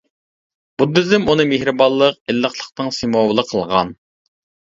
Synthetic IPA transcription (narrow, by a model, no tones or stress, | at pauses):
b̥ud̪yzɪmunɨmehɾɨbɑlˠːəq̚ɪlːəχlˠəχt̪ɨŋsemɑwlˠəqʰəlˠʁɑ̰n